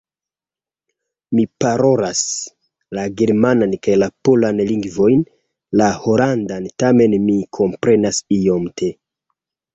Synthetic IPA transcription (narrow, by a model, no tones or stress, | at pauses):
mipaɾo̞ɾas | laɡe̞ɾmanankajlapolanliŋɡvo̞jn | laho̞landantame̞nmikʰo̞mpɾe̞nasio̞mtʰe